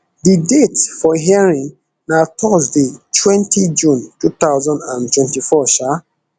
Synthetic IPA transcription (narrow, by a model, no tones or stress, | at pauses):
ðidetsfɔɦiaɹĩŋ | naʊtʰɔsðitʰwɛ̃ntʰid͡ʒũntut̪aʊzãndãntwɛ̃ntifɔʃa